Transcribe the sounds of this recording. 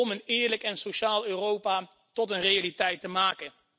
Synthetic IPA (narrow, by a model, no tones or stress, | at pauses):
ɔmənɪːɹləkɛnsoʃaːlˠøːrowpaː | tɔtənrejalitɛjtəmaːkən